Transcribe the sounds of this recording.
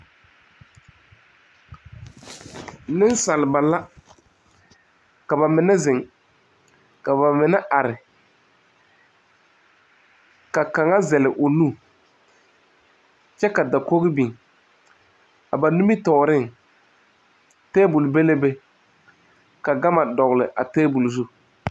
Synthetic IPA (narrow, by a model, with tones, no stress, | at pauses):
nɪ˦n˦sa˨lɪ˨ba˨la˦ | ka˨ba˨mɪ˨nɛ˦zɪ˨ŋ | ka˨ba˨mɪ˨na˦ʔa˨ɾɪ˨ | ka˨ka˨ŋa˦zɛ˨lɪ˨ʔʊ˨nu˦˨ | t͡ʃɛ˦ka˨da˨ko˦ɣɪ˦bi˨ŋ | a˨ba˨nu˦mi˦tɔ˨ɾɪ˦˨ŋ | tɛː˦bʊ˨lbe˦le˦be˦ | ka˨ɡa˦ma˨dɔ˨ɣlɪ˨ʔa˨tɛː˦bu˨lzu˦